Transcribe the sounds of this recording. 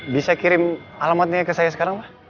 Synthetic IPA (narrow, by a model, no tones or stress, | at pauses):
bisakiɾɪmalamat̪̚ɲakəsajas̬ə̥kaɾaŋbah